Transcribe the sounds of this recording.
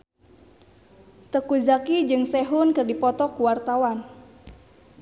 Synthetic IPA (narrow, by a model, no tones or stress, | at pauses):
t̪əkuzakid͡ʒɨŋsɛɦʊnkɨrdipɔt̪ɔkuwart̪awan